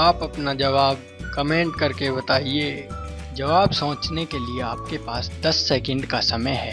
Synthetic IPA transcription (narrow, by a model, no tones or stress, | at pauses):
aːpɐpnad͡ʒɐʋaːb̚ | kɐmẽːɳʈkɐɾkebɐt̪aːie | d͡ʒɐʋaːbsɐ̃ːt͡ʃnekelieaːp̚kepaːsd̪ɐsːɛːkə̃ɳɖkasɐməjɦɛː